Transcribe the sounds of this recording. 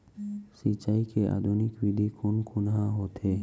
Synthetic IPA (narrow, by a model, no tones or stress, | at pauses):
sit͡ʃaːikeʔa̰ːd̪ʱunɪkwɪd̪ʱikonkʊnɦãɦoːt̪ɦeː